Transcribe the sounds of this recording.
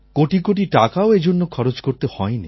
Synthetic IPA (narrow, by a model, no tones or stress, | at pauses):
koʈikoʈ̬iʈakaoed͡ʒonːokʰɔɾot͡ʃkoɾt̪ehɔeni